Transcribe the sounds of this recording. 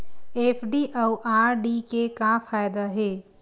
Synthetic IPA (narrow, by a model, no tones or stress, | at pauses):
eːpʰɖiʔɐwʔaːɾɖikekafaːjd̪aɦeː